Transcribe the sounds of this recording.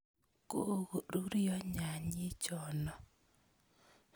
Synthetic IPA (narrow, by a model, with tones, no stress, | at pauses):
ko˦ɣo˨ɾu˦ɾijɔ˦ɲa˨ɲi˦t͡ʃɔ˨nɔ˨